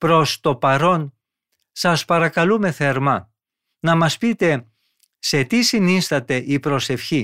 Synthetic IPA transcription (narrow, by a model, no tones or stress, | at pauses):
pɾo̞st̪o̞pɐɾo̞n | sɐspɐɾɐkɐlume̞θeɾmɐ | nɐmɐspit̪e̞ | se̞t̪isinist̪ɐt̪e̞ʔipɾo̞se̞fçi